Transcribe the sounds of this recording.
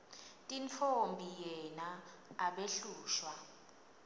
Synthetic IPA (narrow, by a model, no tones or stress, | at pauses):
tʼint͡fʰombʱijɛna | aɓeɬuːʃwa